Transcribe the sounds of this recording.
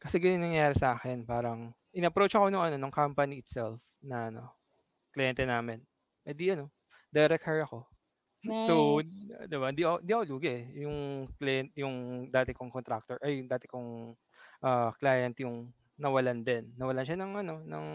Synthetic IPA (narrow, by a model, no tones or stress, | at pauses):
kɐsɛɡɪnɪŋnɐŋjaːɾɪsɐʔaːxɛnpaːɾɐŋ | ʔɪnɐɐpɾot͡ʃʔɐko̞nɐŋɐno̞nɐŋkampɐniɪt̪sɛlf | nɐʔɐno̞̰ | klɪjɛnt̪ɛnaːmɛn | ʔɐd̪iʔɐno̞ | d̪ɛɾɛkʰɛɹɐko̞ | sowd̪ɪbaɪnd̪iʔɐoʔɪnd̪iʔɐkoluːɡɛʔɛjʊŋklɪjɛnt̪jʊŋd̪aːt̪ɛkoŋkont̪ɾak̚t̪oɹʔɐjd̪aːt̪ɪkoŋ | ʔaːklaːjɛnt̪jʊŋ | nɐwɐland̪ɛnːɐwɐlanʃanɐŋʔɐno̞nɐŋ